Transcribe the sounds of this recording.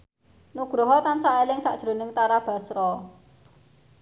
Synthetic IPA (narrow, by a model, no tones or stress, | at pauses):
nuɡ̥ɾoɦɔt̪ansaʔelɪŋsaʔd̥ʒ̥ɾo̤nɪŋt̪aɾab̥a̤sɾɔ